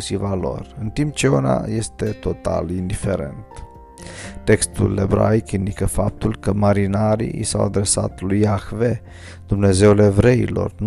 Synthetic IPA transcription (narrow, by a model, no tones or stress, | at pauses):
ʃivalo̞̰rɨnt̪imp̚t͡ʃeona̰je̞st̪e̞t̪o̞t̪a̰lind̪ife̞ɾe̞̰nt̪ | t̪e̞kst̪ule̞bɾa̰jkind̪ikəfap̚t̪ulkəmaɾinaɾḭḭsa̰wad̪ɾe̞sa̰t̪lujaxve̞ | d̪umne̞ze̞ulevɾeḭlo̞̰rn